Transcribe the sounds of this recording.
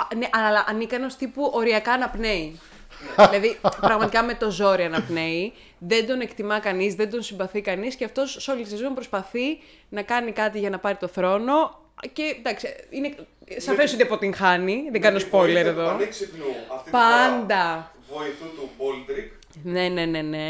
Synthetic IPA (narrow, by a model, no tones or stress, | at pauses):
neʔɐɐlɐʔɐnikɐneost̪ipuʔo̞ɾiɐkɐːnɐpne̞i | ilɐðippɾɐɣmɐt̪ikɐme̞t̪o̞zo̞ɾiɐnɐpne̞i | ðend̪o̞nekt̪imɐkɐnizðend̪o̞nsimbɐθikɐnisceɐft̪o̞sːolisizmompɾospɐθi | nɐkɐnikɐt̪iʝɐnɐpɐɾit̪o̞θɾo̞no̞ | ce̞d̪ɐksiinesɐfe̞soinepot̪iŋxɐniðeŋɡɐneospo̞le̞ɾeðo̞ | pɐnd̪ɐ | lɾk | ne̞ne̞ne̞ne̞